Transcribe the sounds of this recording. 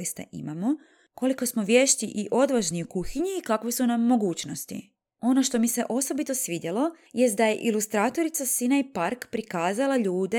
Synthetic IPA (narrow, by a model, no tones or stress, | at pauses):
ist̪a̰ʔḭmamo̞ | ko̞liko̞smo̞ʋje̞ːʃt̪iʔiʔo̞d̪ʋaʒniukuxiɲiːkakʋesunamːo̞ɡuːt͡ɕno̞st̪ḭ | o̞no̞ʃt̪o̞mise̞ʔo̞so̞bit̪o̞sʋid̪ʲjelo̞ | jest̪d̪aje̞̰ʔilust̪ɾaːt̪o̞ɾit̪sasinajpaɾkpɾikaːzalaʎuːd̪e